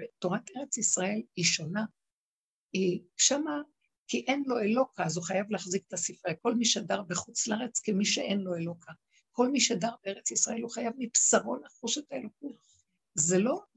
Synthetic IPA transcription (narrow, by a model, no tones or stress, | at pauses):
eto̞ʁat̪eʁe̞t͡sisʁae̞liʃo̞na | iʃama | kiʔenlo̞elo̞kʰaazuχajavleːχzike̥tasifʁeko̞lmiʃedaʁbeχut͡slaʁet͡skemiʃeʔenlo̞elo̞kʰa | ko̞lmiʃedaʁbeeʁet͡sisʁae̞luχajavmipsaʁo̞naχuʃetaelo̞kut | ze̞lo̞